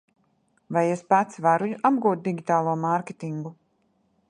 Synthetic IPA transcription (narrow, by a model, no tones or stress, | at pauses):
vajespat̪svaɾujuʔab̚ɡuːt̪̚d̪iɡʲit̪aːlˠuɔmaɾkʲet̪iŋɡu